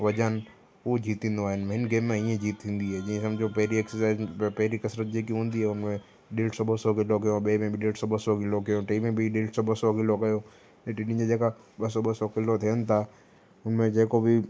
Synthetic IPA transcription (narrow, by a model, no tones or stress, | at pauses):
ʋɐd͡ʑən | ud͡ʑʱiːt̪ĩːn̆d̪oaːɦɪnmɦɪnɡeːmːẽiẽd͡ʑiːt̪ʰĩːn̆d̪iɦɛːd͡ʑiẽsɐ̃md͡ʑopɐɦɪɾiɛksəɾsaːɪzpɐɦɪɾikɐsɾət̪̚d͡ʑeːkiɦũːn̆d̪iɦɛːʊnmẽ | ɗeːlʈsɔɓɐsɔkɪlok̬ɐjõɓemẽbʱiɗeːlʈsɔɓɐsɔɡɪlokɐjõʈeːmẽbʱiɗeːlʈsɔbɐsɔkɪlokɐjo | nẽʈiɗĩd͡ʑed͡ʑeːka | ɓɐsɔɓɐsɔkɪlot̪ʰijənɪ̆t̪ʰa | ʊnmẽd͡ʑeːkobɪ